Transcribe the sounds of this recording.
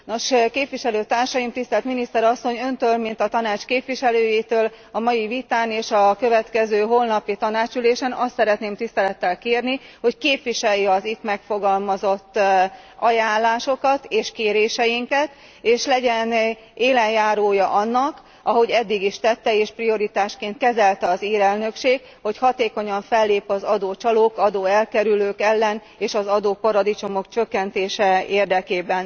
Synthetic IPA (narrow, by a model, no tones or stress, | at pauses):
no̞ʃkeːpʋiʃɛløːt̪aːrʃɒjimt̪ist̪ɛlt̪minist̪ɛɾɒsːo̞ɲø̞nt̪øːlmint̪ɒt̪ɒnaːt͡ʃkeːpʋiʃɛløːjet̪øːl | ɒmɒjivit̪aːneːʃɒkø̞vɛt̪kɛzøːɦo̞lnɒpit̪ɒnaːt͡ʃyleːʃɛnɒst̪sɛɾɛt̪neːmt̪ist̪ɛlɛt̪ːɛlkeːrniho̞ckeːpʋiʃɛjːɛɒzit̪mɛkfo̞ɡɒlmɒzo̞t̪ː | ɒjaːnllːaːʃo̞kɒt̪eːʃkeːɾeːʃɛjiŋkɛt̪ | eːʃlɛɟɛn | eːlɛnjaːɾoːjɒʔɒnːɒk | ʔɒɦo̞ɟɛd̪ːiɡiʃt̪ɛt̪ːɛeːʃprio̞ɾit̪aːʃkeːnt̪̚kɛzɛlt̪ɛɒziːɾɛlnø̞kʃeːk | ho̞chɒt̪eːko̞ɲɒɱfɛlːeːpɒzɒd̪oːt͡ʃɒloːkɒd̪oːɛlkɛɾyløːkɛlːɛn | eːʃɒzɒd̪oːpɒɾɒd̪it͡ʃo̞mo̞kt͡ʃøkːɛnt̪eːʃɛeːrd̪ɛkeːbɛn